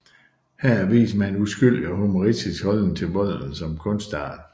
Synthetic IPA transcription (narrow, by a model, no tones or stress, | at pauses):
hæɐ̰ʋḭːsmænusɡ̥yl̰ɒɦomoʁidisɡ̥hɒ̽l̰n̩t͡sʰe̝lbɔ̽ð̰ˠn̩sɒ̽mkʰɔ̽nsd̥ɑ̥